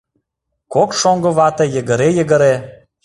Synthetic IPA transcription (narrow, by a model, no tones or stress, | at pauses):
kokʃoŋɡɤ̆βɑt̪ĕjə̆ɣə̆ɾejə̆ɣə̆ɾe